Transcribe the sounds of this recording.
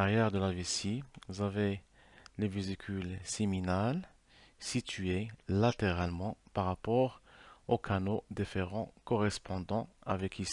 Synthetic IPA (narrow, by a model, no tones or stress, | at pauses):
aʁjɛʁd̪əlavesiuzave | lemyzikʲʰylseminal | sit̪ʰɥelat̪eʁalmɑ̃paʁapɔʁokʰanod̪efeʁɑ̃kɔʁɛspɔ̃d̪ɑ̃a̰vɛkʰis